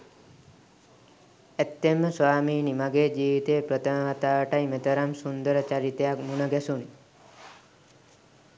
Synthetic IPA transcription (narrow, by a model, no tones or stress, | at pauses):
et̪ːemːəsʋaːmiːnimɐɡeːd͡ʒiːʋit̪eːpɾət̪əməʋat̪aːʋəʈɐjmet̪ɐɾamsund̪əɾət͡ʃɐɾit̪ejakmunəɡɛsun